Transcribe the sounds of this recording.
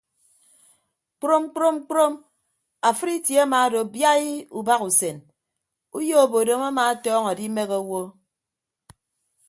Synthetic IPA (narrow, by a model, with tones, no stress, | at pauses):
k͡pɾo˦m˦k͡pɾo˦m˦k͡pɾo˦m | a˨fɨ˦ɾi˦tje˨˦a˦maː˨˦do˨bja˦i˦u˨ba˦ku˨se˨n | u˦jo˦˨bo˨do˨ma˦ma˨a˦tɔː˦ŋa˨di˦me˦ɣo˦wo˦